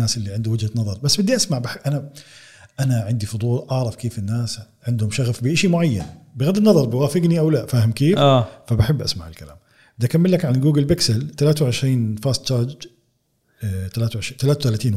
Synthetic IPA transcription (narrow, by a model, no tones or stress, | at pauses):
aːsʔɪlːiʕɪnd̪uwɪd͡ʒhanɑðˤɑɾˤbasːbɪd̪ːiʔasmaʕbaħʔana | ʔanaʕɪnd̪ifʊd̪ˤuːlʔɑʕɾˤɑfkeːfɪnːaːs | ʕɪnd̪hʊmʃaɣfbɪʔaʃimʊʕajːa̰nbɪɣad̪ɪnːɑðˤɑɾˤbɪwaːfɪɡniʔawlaʔfaːhɪmkeːffabaħɪbːʔa̰smaʕɪ̰lkala̰ːm | ʔɪd̪ʔakamːɪlːakʕanlɡuːɡɪlbɪksɪlt̪alaːt̪awʕɪʃɾiːnfaːst̪t͡ʃɑːɾˤd͡ʒ | t̪alaːt̪awʕɪʃiːt̪alaːt̪awt̪alaːt̪iːn